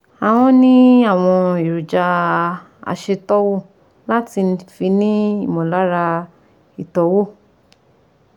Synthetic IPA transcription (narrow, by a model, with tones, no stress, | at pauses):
a˨w̃ɔ̃˧˦nĩ˦a˦˨w̃ɔ̃˧i˨ɾu˨d͡ʒa˧ | a̰˧˨ʃe˧tɔ˦wo˦˨ | la˦ti˧fi˧˦nĩ˦i˦˨mɔ̃˨la˨˦ɾa˧ | i˨tɔ˨˦wo˦˨